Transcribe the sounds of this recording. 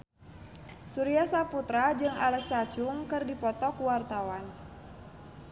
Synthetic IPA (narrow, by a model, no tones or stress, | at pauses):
suɾiasaput̪ɾad͡ʒɨŋa̰lɛksat͡ʃuŋkɨrdipɔt̪ɔkuwart̪awan